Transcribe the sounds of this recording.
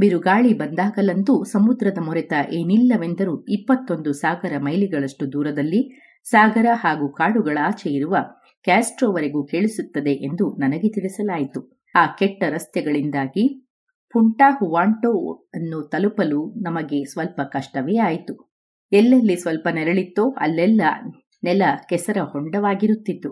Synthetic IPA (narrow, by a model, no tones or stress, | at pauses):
biɾuɡaːɭibɐnd̪aːɡɐlɐnd̪usɐmud̪ɾɐd̪ɐmɔɾɛt̪ɐʔeːnilːɐʋend̪ɐɾuipːɐt̪ːo̞nd̪usaːɡɐɾɐmɐjliɡɐɭɐʂʈud̪uːɾɐd̪ɐlːi | saːɡɐɾɐhaːɡuːkaːɽuɡɐɭaːt͡ʃɛjiɾuʋɐ | kaːsʈɾoːʋɐɾeɡuːkeːɭisut̪ːɐd̪e̞ʔend̪unɐnɐɡe̞t̪iɽisɐlaːjit̪u | aːkɛʈːɐɾɐst̪jɛɡɐɭind̪aːɡi | puɳʈaːhuʋaːɳʈoːɐnːut̪ɐlupɐlunɐmɐɡe̞sʋɐlpɐkɐʂʈɐʋɛjaːjit̪u | ɛlːɐlːisʋɐlpɐnɛɾɐɭit̪ːoːʔɐ̰lːɛlːɐ | nɛlɐkɛsɐɾɐhɔɳɖɐʋaːɡiɾut̪ːit̪ːu